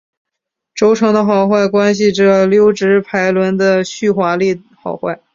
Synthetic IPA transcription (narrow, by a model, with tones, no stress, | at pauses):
ʈ͡ʂo˧˥ʊʈ͡ʂʰɤ˧˥ŋd̪ə˧xɑ˨˩ʊxwa˥˩ɪkwa˥nɕ̬i˨˩ʈ͡ʂə˩ljo˥ʊʈ͡ʂɻ̩˧˥pʰa˧˥ɪlwə˧˥nd̪ə˧ɕy˥˩xwa˧˥li˥˩ | xɑ̰˨˩ʊxwa˥˩ɪ